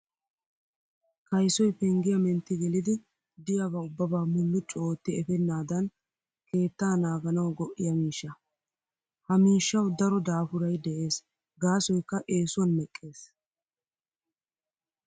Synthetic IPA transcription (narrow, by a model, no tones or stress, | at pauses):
kɐjsɔjpɛŋɡɪjɐmɛnt̪ːɪɡɛlɪd̪ɪ | d̪ɪjaβɐʊbːɐbaːmʊlːʊt͡ʃʼoːt̪ːɪɛfɛnːaːd̪ɐn | ke̞ːt̪ːaːnaːɡɐnɐwɡɔʔːɪjɐmiːʃːɐ | hɐmiːʃːɐwd̪ɐɾɔd̪aːfʊɾɐjd̪ɛʔe̞ːs | ɡaːsɔjkːɐʔe̞ːsʊɐnmɛkʼːe̞ːs